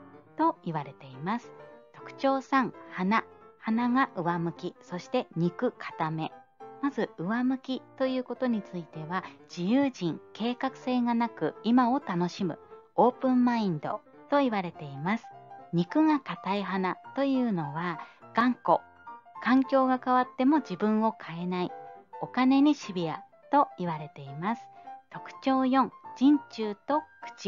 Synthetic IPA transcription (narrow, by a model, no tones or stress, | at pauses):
t̪o̞iβaɾe̞t̪e̞imasɨ̥t̪o̞kɯ̟̥t͡ɕo̞ːsãŋhanahanaŋaʔɯ̟βamɯ̟kʲiso̞ɕi̥t̪e̞ɲ̟ikɯ̟kʰḁt̪ame̞ | mazɨɯ̟βamɯ̟kʲit̪o̞jɯ̟ːko̞t̪o̞ɲ̟it͡sɨit̪e̞βad͡ʑijɯ̟ːʑĩŋke̞ːkakɯ̟̥se̞ːɡanakɯ̟imao̞t̪ano̞ɕimɯ̟̰ | o̞ːpɯ̟̃mːaĩnd̪o̞̰ | t̪o̞iβaɾe̞t̪e̞imasɨ̥ɲ̟ikɯ̟ŋakat̪aiɦanat̪o̞jɯ̟ːno̞βaɡ̥ãŋko̞ | kãŋkʲo̞ːɡakaβat̪ːe̞mo̞d͡ʑibɯ̟̃ɰ̃o̞kʰae̞naio̞kane̞ɲ̟iɕibʲia̰ | t̪o̞iβaɾe̞t̪e̞imasɨ̥t̪o̞kɯ̟̥t͡ɕo̞ːjõ̞ŋd͡ʑĩɲ̟t͡ɕɨːt̪o̞kɯ̟̥t͡ɕi